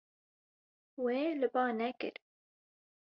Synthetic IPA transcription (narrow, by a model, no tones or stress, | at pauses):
weːlɨbɑːnɛkɨ̰ɾ